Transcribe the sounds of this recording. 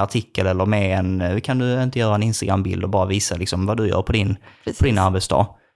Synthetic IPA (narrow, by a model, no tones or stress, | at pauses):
aʈʰɪkːəlɛlːəɾmeɛnkʰand̪ɵɪnt̪əjœːɾaɛnɪnst̪aɡɾambɪ̰ld̪ɔbɑːɾaviːsalɪksɔmvad̪ɵjœ̰ːɾpʰɔd̪ɪnpʰd̪ɪnaɾbɛt̪sd̪ɑ̰ːɡ